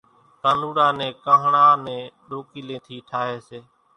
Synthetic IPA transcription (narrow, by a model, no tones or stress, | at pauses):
k̪aːnuːɽaːnɛ̃ːkəːɦɳaːnɛ̃ːɗoːkiːlẽːt̪ʰiːʈʰaːɦeːseː